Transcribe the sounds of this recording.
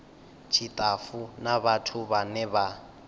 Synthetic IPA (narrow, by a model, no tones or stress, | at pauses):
t͡ʃʰitʼafunaβatʰuβanɛβa